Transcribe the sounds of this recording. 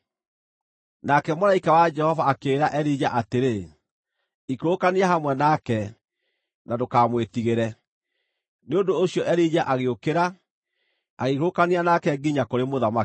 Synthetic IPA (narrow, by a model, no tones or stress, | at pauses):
nakɛmoɾaikawad͡ʒɛhɔvaːkeːɾaʔɛɾid͡ʑaʔateɾe | ikɾokaniaɦamwɛnakɛ | nadokamwetiɣeɾɛ | neondoːɕiɔʔɛɾid͡ʑaʔaɣeokeɾa | aɣekokanianakɛɡiɲakoɾemoðama